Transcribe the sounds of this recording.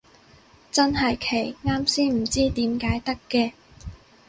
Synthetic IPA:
t͡sɐ˥nɦɐ˨jkʰe˨˩jŋaː˥msiː˥nm̩˨˩t͡siː˥t̪iː˨˥mkaː˨˥jt̪ɐ˥kːɛː˧

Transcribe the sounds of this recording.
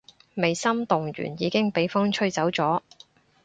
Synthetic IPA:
me˨˩jsɐ˥mt̪ʊ˨ŋɥy̰ː˨˩njiː˨˧kɪ˥ŋpe˨˥jfʊ˥ŋt͡ʃʰɵ˥ɥt͡sɐ˨˥wt͡sɔː˨˥

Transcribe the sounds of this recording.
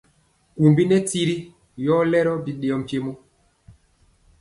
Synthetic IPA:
ku˨mbi˦nɛ˦ti˦ɾi˦ | jɔ˦lɛ˦ɾɔ˦bi˦ɗe˨ɔ˦m˨pe˦mo˦

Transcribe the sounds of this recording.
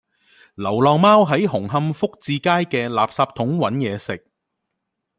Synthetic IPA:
lɐ˨˩wlɔː˨ŋmaː˥wɦɐ˨˥jɦʊ˨˩ŋɦɐ˧mfʊ˥k̚t͡siː˧kaː˥jkɛː˧laː˨p̚saː˧p̚t̪ʰʊ˨˥ŋwɐ˨˥njɛː˨˧sɪ˨k̚

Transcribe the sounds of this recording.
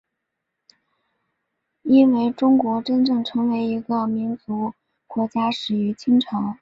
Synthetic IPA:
i˥nwe˧˩ɪʈ͡ʂʊ˥ŋkwɔ˧˥ʈ͡ʂə˥nʈ͡ʂɤ˥˩ŋʈ͡ʂʰɤ˧˥ŋwe˧˥ɪi˧˥ɡə˧mi˧˥nt͡su˧˥ | kwɔ˧˥t͡ɕja˥ʂɻ̩˨˩y˧˥t͡ɕʰi˥ŋʈ͡ʂʰɑ˧˥ŋ

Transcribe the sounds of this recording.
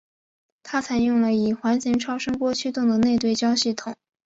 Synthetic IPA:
t̪ʰa˥t͡sʰa˧˥ɪjʊ˥˩ŋlə˩i˨˩xwa˧˥nɕɛ˧˥ŋʈ͡ʂʰɑ˥ʊʂɤ˥ŋkwɔ˥t͡ɕʰy˥t̪ʊ˥˩ŋd̪ə˩ne˥˧ɪt̪we˥˩ɪt͡ɕjɑ˥ʊɕi˥˩t̪ʰʊ˨˩˦

